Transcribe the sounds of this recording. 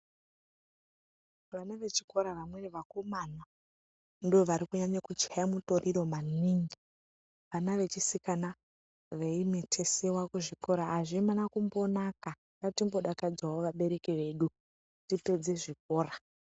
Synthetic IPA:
ʋanaʋe̞t͡ʃi̥ko̞ɾaʋamweriʋakomana | ndioʋaɾikuɲaɲakut͡ʃajamuto̞riɾo̞maniːŋɡi | ʋanaʋe̞t͡ʃisikana | ʋeimetʰe̞sewakuʐiko̞ɾaɦːʐimanakumbo̞naka | ɡatimbo̞ɗakad͡zwaoʋaɓe̞ɾe̞kiʋe̞ɗu | tipe̞d͡ze̞ʐik̚o̞ːra

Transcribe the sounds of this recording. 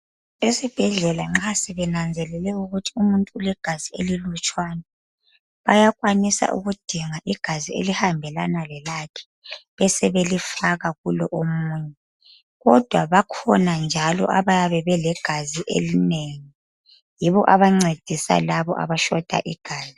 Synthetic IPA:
esib̥ʱɛɮɛlaŋ͡ǁasɛβɛnand͡zʱɛlɛlɛuɣutʰi̥umuntʼuːlɛɡ̥ʱazielilut͡ʃʼwaːna | βajaɣwanisa̰ʔṵɣud̥ʱiŋaʔiɡ̥ʱaziḛlihambʱɛlanalɛlakʰɛ̥ | βɛsɛβelifaɣaɣulɔʔomuːɲɛ | ɣɔd̥ʱwaβakʰɔnand͡ʒʱalɔ̰ʔaβajaβɛβɛlɛɡ̥ʱaziʔḛlineŋi | jiβɔʔaβaŋ͡ǀed̥ʱisa̰laβɔʔa̰βaʃɔd̥ʱa̰ʔiɡ̥ʱaːzi

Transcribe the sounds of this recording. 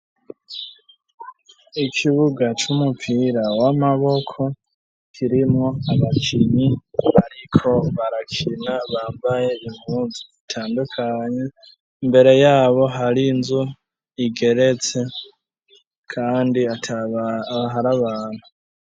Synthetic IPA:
ikʰiβuɡat͡ʃumupʰiɾawamaβo̞kʰo̞ | kʰiɾimŋoaβakʰiɲiaɾikʰo̞βaɾakʰinaβaːmbaje̞βimuziitʰaːndukʰaɲe | imbe̞ɾe̞jaːβo̞ɦaɾinzu | iɡe̞ɾe̞t͡se̞ | kʰaːndiatʰ | ɦaɾaβaːn̥hu

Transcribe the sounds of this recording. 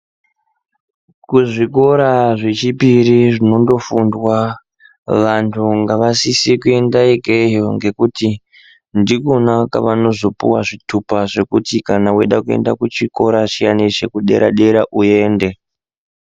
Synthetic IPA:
kuʐiko̞ɾaʐe̞t͡ʃipiɾiʐino̞ndo̞fundwa | ʋantʰuŋɡaʋasisikue̞ndaeɡʱejoŋɡe̞kuti | ndikonaka̰ʋano̞zo̞pṵwaʐitʰupaʐe̞kutikanawe̞ɗakue̞̰ndakut͡ʃiko̞ɾaʃijanit͡ʃe̞kuɗe̞̰ɾaɗe̞ɾaʔue̞ːnde̞

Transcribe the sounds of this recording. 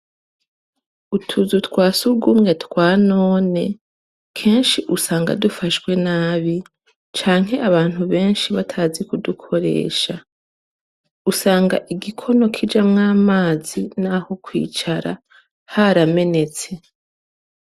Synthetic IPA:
utʰuzutkwaːsuɾɡumŋe̞tkwaːnoːne̞ | kʰe̞ːnʃiʔusaːŋɡa̰dufaʃkwe̞naːβi | t͡ʃaːŋ̥e̞ʔaβaːn̥huβe̞ːnʃiβatʰaːzikudukʰo̞ɾe̞̰ːʃa | usaːŋɡa̰ʔiɡikʰo̞no̞kʰid͡ʒamŋaːmaːzinaho̞kwḭːt͡ʃaɾa | haɾame̞ne̞t͡se̞

